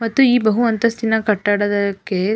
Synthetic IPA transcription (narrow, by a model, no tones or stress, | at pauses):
mɐt̪ːuiːbɐɦuʋɐnt̪ɐst̪inːɐkɐʈːaːɽɐd̪ɐkːe